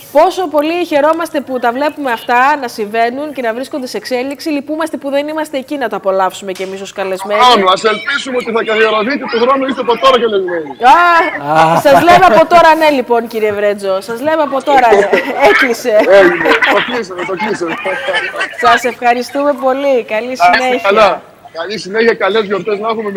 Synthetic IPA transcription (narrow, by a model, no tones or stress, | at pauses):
po̞so̞po̞liçe̞ɾo̞mɐst̪e̞put̪ɐvle̞pume̞ɐft̪ɐnɐsiɱve̞nunce̞nɐvɾiskond̪e̞sekse̞liksilipumɐst̪e̞puðe̞nimɐst̪eːcinɐt̪oɐpo̞lɐfsume̞ce̞miso̞skɐle̞zmnanuɐselpisumeot̪iθɐkɐðioɾoðit̪et̪oxɾonoist̪eɐpot̪oɾɐkɐlezmenia | sɐzleveɐpo̞t̪o̞ɾɐne̞lipo̞nciɾievɾed͡zo̞sɐzleveɐpo̞t̪o̞ɾɐeklise̞ejumet̪okisɐmet̪oçise | sɐse̞fxɐɾist̪ume̞po̞likɐlisinneçɐlɐ | kɐlisineçiɐkɐlezjo̞ɾt̪e̞znɐxumem